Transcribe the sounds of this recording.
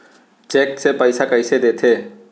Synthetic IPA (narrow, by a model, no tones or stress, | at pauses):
t͡ʃeksepəjsakəjsed̪et̪ʰe